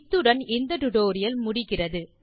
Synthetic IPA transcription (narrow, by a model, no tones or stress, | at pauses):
t̪ːɯɽɐnɪnd̪ɐʈʊʈoːɾɪjɐlmʊɽɪɣɪrɐðɯ